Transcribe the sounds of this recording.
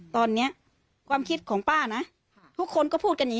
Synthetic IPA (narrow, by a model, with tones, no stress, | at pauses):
t̪ɔː˧nːi˦˥ɐ | kʰwaː˧mkʰi˦t̪̚kʰɔː˩˦ŋpaː˥˩na˦˥ | t̪ʰu˦˥kʰːo˧nkɔː˥˩pʰuː˥˩ka˧nɲi˨˦